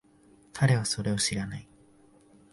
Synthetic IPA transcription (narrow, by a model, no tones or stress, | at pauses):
kʰaɾe̞β̞aso̞ɾe̞o̞ɕiɾanai